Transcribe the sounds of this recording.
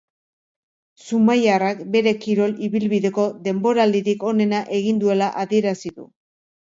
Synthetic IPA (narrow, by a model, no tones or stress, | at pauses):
sumajarakbe̞ɾe̞kiɾo̞liβilβiðe̞ko̞ðe̞mbo̞ɾald̪iɾiko̞ne̞naʔe̞ɣ̞ind̪ue̞laʔaðie̞ɾasiðṵ